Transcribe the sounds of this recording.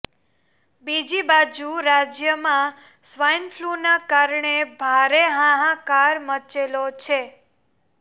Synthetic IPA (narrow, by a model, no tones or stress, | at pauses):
bid͡ʒibad͡ʒuɾad͡ʒjəmã | sʋajnfʰlunakaɾɳebʱaɾeɦãɦãkaɾmət͡ʃelot͡ʃʰe